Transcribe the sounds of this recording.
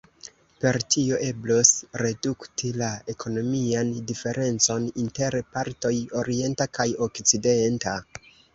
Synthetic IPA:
pe̞ɾtʰio̞ʔe̞blosɾe̞duktilaekʰo̞no̞miandife̞ɾʔe̞nt͡so̞ninte̞ɾpaɾto̞jo̞ɾie̞ntakajo̞kt͡side̞nta

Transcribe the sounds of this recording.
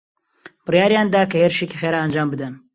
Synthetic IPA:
b̥ɨrjaːɾjaːnd̪aːkɐheɾʃekixeːɾaːnd͡ʒaːmbɨd̪ɐn

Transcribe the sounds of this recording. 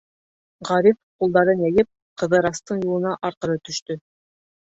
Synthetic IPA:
ʁɑɾifqulˠd̪ɑɾɤnjæjɘp̚ | qɤ̆ðɤɾɑst̪ɤɴjulˠɤ̆nɑʔɑɾqɤ̆ɾɤt̪ɵ̆ʃt̪ɵ

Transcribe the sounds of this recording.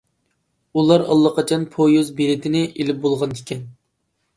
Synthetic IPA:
ulˠɑɾɑlˠːəqɑt͡ʃʰɑnpʰojozbeɾɪt̪ʰɪnɪʔelɪp̚bolˠʁɑnd̪ɪkʲʰɛn

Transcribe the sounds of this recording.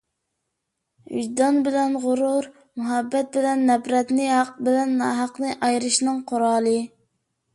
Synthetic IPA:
y̰ʒd̪ɑnbɪlɛnʁʊɾuɾ | muɦɛbːɛt̪̚bɪlɛnːɛpɾɛt̪nɪɦɑq̚bɪlɛnːɑːɦɑqnɨʔɑjɾɨʃnɨŋqʰoɾɑːlˠɨ

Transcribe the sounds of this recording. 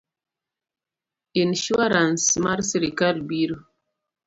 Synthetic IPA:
inʃuaɾãnsmaɾsiɾikalbiɾo

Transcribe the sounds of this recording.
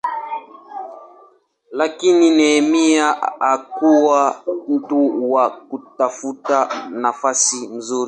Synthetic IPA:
lakininɛmiaakuwam̩tuwakutafutanafasin̩zuɾi

